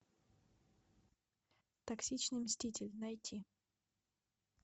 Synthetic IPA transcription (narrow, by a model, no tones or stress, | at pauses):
t̪ɐksʲit͡ɕnɨjmsʲtʲitʲɪlʲnɐjtʲʰi